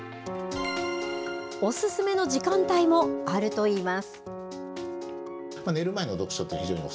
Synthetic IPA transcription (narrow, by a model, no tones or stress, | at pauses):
o̞sɨsɨme̞no̞ʑikãnt̪aimo̞aɾɯ̟t̪o̞iːmasɨ̥ | mane̞ɾɯ̟mae̞no̞d̪o̞kɯ̟ɕot̪ːḛçʲiʑo̞ːɲio̰